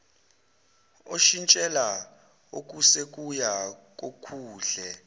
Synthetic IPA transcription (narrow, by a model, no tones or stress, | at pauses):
oʃint͡ʃʼɛla | ok̬ʼusek̬ʼujak̬ʼokʰuːɮɛ